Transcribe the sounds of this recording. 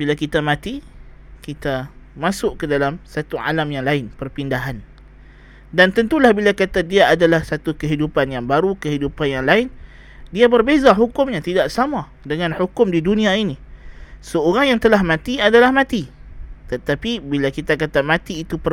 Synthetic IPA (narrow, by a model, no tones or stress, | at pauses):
bilakit̪amãt̪i | kit̪amasʊʔkədalamsat̪ua̰lamjaŋlaɪnpərpindaɦan | dant̪ənt̪ulahbilakat̪adiaadalahsat̪ukəɦidupanjaŋbaɾukəɦidupanjaŋlaɪn | diabərbezaɦukʊmɲãt̪idaʔsama | dəŋãnhukʊmdidunĩainisəoɾaŋjaŋt̪əlaɦmãt̪iadalahmãt̪i | t̪ət̪apibilakit̪akat̪amãt̪iːt̪upər